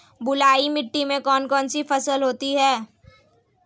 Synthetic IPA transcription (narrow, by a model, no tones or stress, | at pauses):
bʊlaːimɪʈːimẽkɔːnkɔːnsifɐsəlɦoːt̪iɦɛː